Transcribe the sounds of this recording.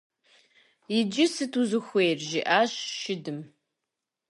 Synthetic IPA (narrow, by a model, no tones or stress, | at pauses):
jɪd͡ʒɪsɨtʰuzɨxʷejrʒiʔaːʃʃɪdɨm